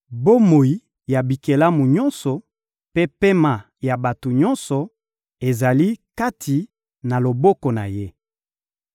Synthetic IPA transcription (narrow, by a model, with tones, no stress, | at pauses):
bo˦mo˨i˨˦ | ja˨bi˨ke˨la˦mu˨ɲɔ̃˦nsɔ˨ | pe˦pe˦ma˨ | ja˨ba˨to˨ɲɔ˦nsɔ˨ | e˨za˨li˦ka˦tʰi˨ | na˨lo˨bɔ˦kɔ˨na̰˨je˦